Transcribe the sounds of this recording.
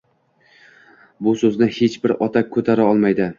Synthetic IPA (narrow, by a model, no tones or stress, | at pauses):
bʊsɵznɪhet͡ʃbɪɾɒt̪ʰakʲʰːɵt̪ʰaɾaɒlˠmajd̪ɪ